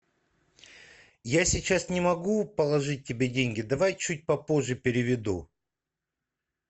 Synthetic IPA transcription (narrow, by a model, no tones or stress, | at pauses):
jasʲɪt͡ɕasnʲɪmɐɡupəlˠɐʐɨt̚ʲːɪbʲedʲenʲɡʲɪd̪ɐvajt͡ɕut̚ʲpɐpo̞ʐːɨpʲɪɾʲɪvʲɪd̪u